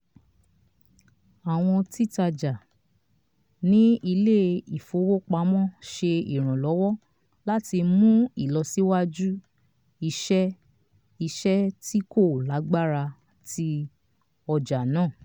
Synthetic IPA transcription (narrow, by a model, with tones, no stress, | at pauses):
a˨w̃ɔ̃˧ti˦˨ta˧d͡ʒa˨ | nĩ˦i˧le˦i˨fo˨˧˦wo˦k͡pa˧˦mɔ̃˦ʃe˧ḭ˨ɾ̃ã˨lɔ˨˦wɔ˦ | la˦ti˧mũ˦i˦˨lɔ˨˧si˦wa˦d͡ʒu˦ | i˧ʃɛ˦ | i˧ʃɛ˦ti˦ko˦˨la˨˦ɡ͡ba˦ɾa˧ | ti˧ | ɔ˧d͡ʒa˨nãː˦˨